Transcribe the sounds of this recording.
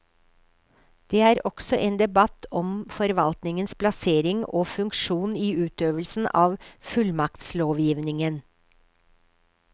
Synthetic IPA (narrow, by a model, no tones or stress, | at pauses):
d̪̥eːæːɾʔɔksɔʔeːnd̪ɛbɑt̪ɔmfɔɾʋɑlt̪nɪŋənspʰlɑseːɾɪŋoːfʉŋkʃuːniːʉːt̪øːʋəlsn̩ʔɑːʋfʉlmɑkt̪sloːʋjiːʋnɪŋən